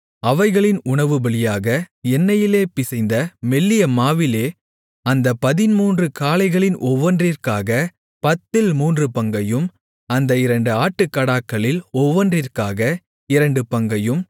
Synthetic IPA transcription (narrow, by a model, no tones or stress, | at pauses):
ɐʋɐɪɣɐɭɪnʊɳɐʋɯbɐɭɪjaːɣɐɛnːɐjɪleːpɪsɐɪnd̪ɐmɛlːɪjɐmaːʋɪleː | ɐnd̪ɐpɐðɪnmuːndrɯkaːlɐɪɣɐɭɪnʔɔʋːɐndrɪrkaːɣɐ | pɐt̪ːɪlmuːndrɯpɐŋɡɐjɯm | ɐnd̪ɐɪɾɐɳɖɯaːʈːɯkːɐɽaːkːɐɭɪlɔʋɐndrɪrkaːɣɐ | ɪɾɐɳɖɯpɐŋɡɐjɯm